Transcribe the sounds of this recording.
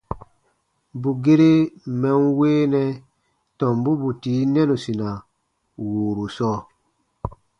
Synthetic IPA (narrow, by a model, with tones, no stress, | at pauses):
bu˨ɡe˦ɾe˦mɛ̃˦nweː˦nɛ̃˦ | tɔ̃˨mbu˦bu˨tiː˨˦nɛ̃˦nu˨sĩ˨na˨ | wuː˨ɾu˨sɔː˦˨